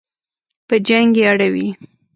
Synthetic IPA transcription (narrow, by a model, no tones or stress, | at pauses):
pəd͡ʒaŋɡeaɽawi